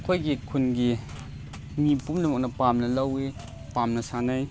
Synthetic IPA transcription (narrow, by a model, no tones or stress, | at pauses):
kʰojɡikʰunɡi | mipumlumɐk̚nɐpamnɐlɐwi | pamnɐsanaj